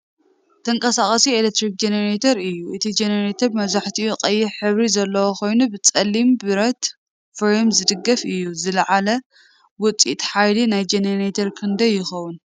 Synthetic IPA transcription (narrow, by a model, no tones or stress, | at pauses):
t̪ʰɐŋkʼɐsaχʼɐsielet̪ɾik̚d͡ʒeneɾet̪ʰoɾɨjːuʔɨt̪ʰid͡ʒeneɾet̪ʰɐɾmɐβzaħt̪ʰiuqʼɐjːɪħɨβɾizɐlːɐwoko̞jnubɨt͡sʼɐlːimbɨɾɐt̪ | fɾemzɨd̪ɨɡːɐfɨjːuzɨlɐʕalɐ | wʊt͡sʼḭt̪ʼħajlinajd͡ʒeneɾet̪ʰɐɾkʰɨnd̪ɐjɪxɐwun